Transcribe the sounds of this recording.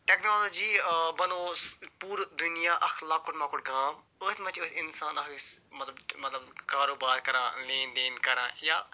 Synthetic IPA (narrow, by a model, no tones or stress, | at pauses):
ʈeːknoːloːd͡ʒiːbɐnoːspuːɾd̪ʊnijaːʔɐxlaːkʊʈmãːkʊʈɡʱãːm | oːt̪ʲmɐt͡ʃoːt̪ɪnsaːnɐkismɐt̪ləbmɐt̪ləbkaːɾoːbaːɾkɐɾãːleːnd̪eːnkɐɾã̰ːjaː